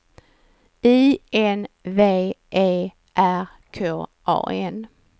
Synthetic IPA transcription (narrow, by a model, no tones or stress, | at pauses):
iːʔɛnveːʔeː | ʔæɾ | kʰoːʔɑ̰ːʔɛn